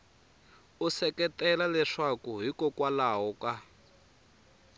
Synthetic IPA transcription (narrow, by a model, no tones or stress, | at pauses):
usɛkɛtɛlalɛʂakuɦikɔkwalaɦɔka